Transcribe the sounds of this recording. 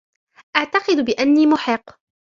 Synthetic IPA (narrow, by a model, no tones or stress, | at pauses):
ʔaʕt̪ɑqɨd̪bɪʔanːiːmʊħɪqː